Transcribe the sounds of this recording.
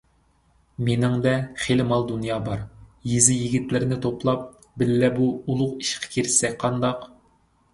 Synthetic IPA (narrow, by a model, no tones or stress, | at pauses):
menɪŋd̪ɛχelɪmɑlˠd̪unjɑːbɑɾjizɪjiɡʲit̪lɪɾɪnɪt̪ʰoplˠɑp̚ | bɪlːɛbuulˠʊqi̥ʃqʰɛ̥kʲʰiɾsɛk̚ʲqʰɑnd̪ɑq